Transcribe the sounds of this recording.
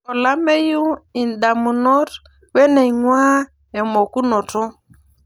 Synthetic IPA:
ɔ˨la˦mɛ˦ju˦i˨n˨ɗa˨mu˨nɔ˦ɾ | wɛ˦nɛ˨i˨ŋwaː˦ | ɛ˨mɔ˨ku˦nɔ˨tɔ˦

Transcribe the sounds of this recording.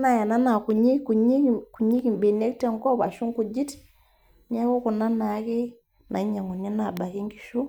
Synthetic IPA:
na˨ja˨na˦na˨ku˨ɲi˦ku˨ɲi˦kku˨ɲi˦ki˨m˨be˨nɛ˦kta˦ŋkɔ˦βa̰˨ʃu˦ŋ˦ku˨d͡ʒi˦t | ɲa˦ku˦ku˨na˦na˨˦kɛ˦ | na˨i˦ɲa˨ŋɡu˨nɛ˦na˨ba˨ki˦ŋɡi˨ʃu˦

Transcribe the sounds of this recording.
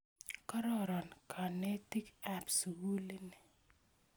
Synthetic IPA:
ka˦ɾɔ˦ɾɔ˨nkʰa˨ne˦ti˦ka˦psu˨ɡu˦li˦ni˨

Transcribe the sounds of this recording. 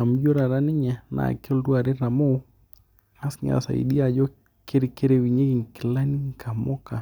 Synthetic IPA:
a˨m˦d͡ʒo˦ɾa˨ɾa˦nɪ˦ɲɛ˨na̰˨kɔ˦ldu˦a˨ɾe˦ɾa˨mo˦ | a˦sɲa̰˨sa̰˨ḭ˨di˦a˨d͡ʒɔ˦ | ke˦ɾɪ˨ke˦ɾe˨wi˨ɲe˦ki˨ŋ˨kɪ˨la˦ni˦ŋ˨kʰa˨mɔ˦ka˨

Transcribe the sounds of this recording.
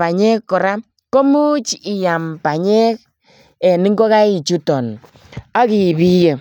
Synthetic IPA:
a˨ɲɛ˦kːɔ˨ɾa˦ | ko˦mu˦t͡ʃi˨ja˨mpa˨ɲɛ˦k̚ | ɛ˨ni˦ŋɡɔ˦ka˦i˨t͡ʃu˦tɔ˨n | a˦ki˨bi˦je˨

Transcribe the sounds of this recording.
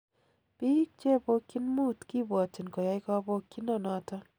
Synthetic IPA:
pi˦k̚t͡ʃe˦˨bo˦kːi˦nmu˦t̪ki˦bɔ˨ti˨nkɔ˨ja˦ɪ˦kɔ˦bo˦kːi˦nɔ˦˨nɔ˨˦tɔ˦

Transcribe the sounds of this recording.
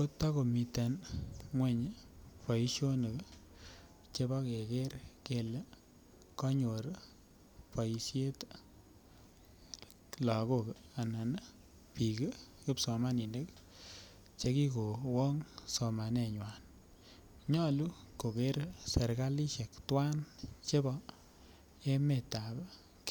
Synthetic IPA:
ko˦tːa˦ko˨mi˨ta˨nŋwɛ˦ɲ˦pɔ˨ji˦ʃo˦ne˨k | t͡ʃe˦bɔ˦ke˨ke˦ɾke˨le˦ | kɔ˦ɲo˨ɾ | pɔ˨i˨sje˦t | lɔ˨ko˦ka˨na˨n˦ | pi˨ke˦kɪ˦psɔ˨ma˦ni˨ne˦k | t͡ʃe˧ki˦ko˨wɔ˦ŋso˨ma˨nɛ˦ɲwa˨n | ɲɔ˦lu˦ko˨ke˦ɾse˨ɾka˦li˦ʃe˨ktwa˦nt͡ʃe˦bɔ˦ | e˦me˨ta˨ba˦ | k

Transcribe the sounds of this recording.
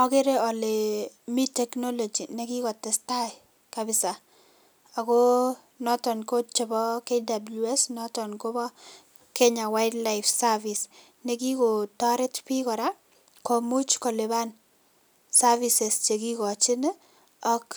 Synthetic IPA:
ɔke˦ɾe˦ɔ˨le˨mi˦tɛknɔ˦lɔ˨d͡ʒi˨nɛ˦ki˦kɔ˨tɛ˨sta˦ɪ | kabɪsa˨ | a˨kɔ˦ | nɔ˦tɔ˨nko˦t͡ʃɛ˨bɔ˦ke˦da˨bluɛ˦snɔtɔ˨nko˦bɔ˦ | kɛ˦ɲa˨wa˦ɪdla˦ɪfsa˦vi˨s | nɛ˨ki˦ko˨tɔ˦ɾɛ˦tpi˦kɔ˨ɾa˦ | kɔ˨mu˦t͡ʃkɔ˨le˨ba˦n | sa˦vi˨sɛ˨st͡ʃe˨ki˦kɔ˨t͡ʃɪ˦nɛ | ɔ˦k

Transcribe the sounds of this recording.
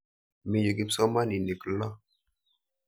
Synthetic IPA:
mi˨ju˨ɡi˦psɔ˦ma˦ni˨ne˨kə˨lɔ˦

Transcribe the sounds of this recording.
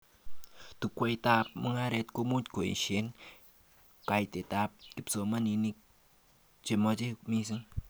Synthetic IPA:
t̪u˨kʷe˧jt̪a˦p̚mə˦ŋa˦ɾe˧t̪ko˧mu˦tko˨ḭ˨nʃe˦n | ka˧jt̪e˨t̪a˦p̚ki˧pso˧ma˦ni˧ni˦k̚ | t͡ʃe˨mo˧d͡ʒe˦mi˧s̬ɨ˦ŋ

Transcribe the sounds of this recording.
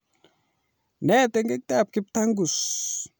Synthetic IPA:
nɛ˦te˨ŋɡe˦k̚t̪a˦˨p̚kɪ˦p̚ta˦ŋɡu˨s

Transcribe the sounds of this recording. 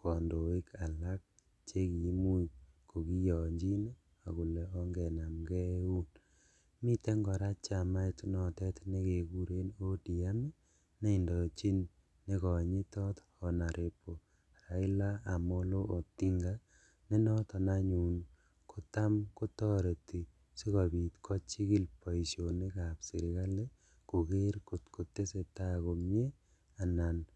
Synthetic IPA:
kɔ˨ndo˨ɪ˦ka˨la˦k̚ | t͡ʃe˦ki˨˦mu˦i˨ | ko˨ki˦jɔ˨ɲd͡ʒi˦n˦ | a˨ku˨lɛ˨ɔ˦ŋɡɛ˨na˨mɡɛ˦u˦n | mi˦tɛ˦ŋɡɔ˨ɾa˦t͡ʃa˨ma˦i˦tnɔ˨tɛ˦tne˦ke˨ɡu˦ɾe˦no˦di˨a˦mi˦ | ne˦i˨ndɔ˨t͡ʃi˦nː | e˦kɔ˨ɲi˦tɔ˦t̪ | ɔ˨na˨ɾe˨po˨ | ɾa˨ɪ˦la˦a˨mo˦lo˦ʔo˨ti˦ŋɡa˦ | ne˦nɔ˦tɔ˨naɲu˨n | kʰo˨t̪a˦mko˦tɔ˦ɾe˨ti˨ | si˦kɔ˨bi˨t̪kʰɔ˦t͡ʃi˦ki˦lpɔ˨i˨so˨nɪ˦ka˨psɪ˨ɾɪ˨ka˦le˦ | ko˨ke˦ɾko˨tko˨tːe˦se˨ta˦ko˨mje˦ | a˨na˨n

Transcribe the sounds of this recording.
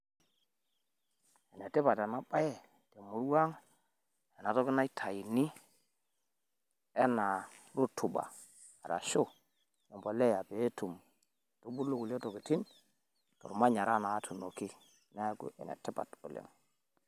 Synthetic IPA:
e˨ne˨ti˦ba˨ta˨na˨˦ɓa˦jɛ˦ | te˨mu˨ɾwa˦ŋ | eɛ˨na˨to˦ki˦na˦i˦tʰa˨ji˨ni˦ | ɛ˦na˨ɾu˦tʰu˨ba̰ː˨ | ɾa̰˨ʃo˦ | ɛ˨mbo˨le˦ja˨be˨˦tu˨m˨ | tu˦bu˦lu˦ku˨le˦to˨ki˨ti˦n | tɔ̰˨ɾma˦ɲa˨ɾa˦na˨˦tʰu˨no˨ki˦ | na˦ɡṵ˦ʔḛ˨nḛ˨ti˦pa̰˨to˨lḛ˦m

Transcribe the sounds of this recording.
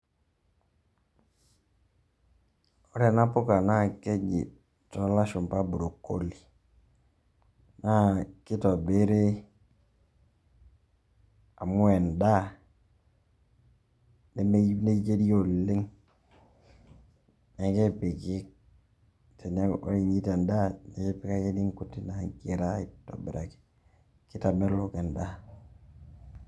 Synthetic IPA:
o˦ɾɛ˨na˦pʊ˦ka˨na˦˨kɛ˦d͡ʒɪ̰˨ | tɔ˦la˦ʃʊ˨mpa˦bu˨ɾo˨kːo˦li˨ | na˦kɪ˦tɔ˨be˦ɾe˦ | a˨mʊ˦ɛ˨nda˦ | ne˦me˦ne˦t͡ʃe˦ɾi˦jo˦li˦ŋ | ne˨ke˦pi˨ki˦k̚ | tʰe˨ne˦o˦i˨ɲi˦te˨nda˦ne˨ke˦pi˦ka˦ki˦ni˦ŋku˨tːi˦na˨ŋki˨ɾa˦i˦to̰˨bḛ˨ɾa˨ki̥˦ | ki˦ta˨me˦ɾlo˦ke˨nda˦

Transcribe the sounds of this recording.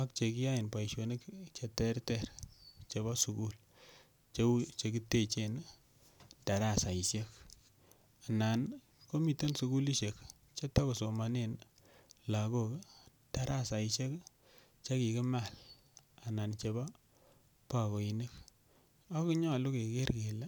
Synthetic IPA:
a˦kt͡ʃe˨ki˦ja˦ɪ˨npa˨i˨ʃo˨ne˦kt͡ʃe˨tɛ˦rtɛ˦˨ɾt͡ʃe˨ba˦su˨ku˦l | t͡ʃet͡ʃe˨ki˦te˦˨t͡ʃe˨n | ta˨ɾa˦˨sa˨i˨ʃe˦k | a˨na˨n | ko˦mi˨te˦nsu˨ku˦li˦ʃe˨k | t͡ʃe˦ta˦ko˨so˨ma˨ne˦n | la˨ko˦k | ta˨ɾa˦sa˨i˨ʃe˦k | t͡ʃa˦ki˨kɪ˦ma˦˨l | a˨na˨nt͡ʃe˨ba˦ | pa˨ko˨i˨ni˦k | a˦kɪ˦ɲɔ˦˨lʊ˦ke˨ke˦rke˨le˦

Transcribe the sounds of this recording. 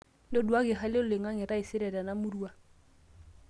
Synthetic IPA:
lo˦du˨a˦ɡɪ˨χa˦lɪ˦ʊ˨lɪ˨ŋa˦ŋɪ˨ɾa˦ɪ˨sɪ˦ɾɛ˨da˨na˦mʊ˦ru˦a˦

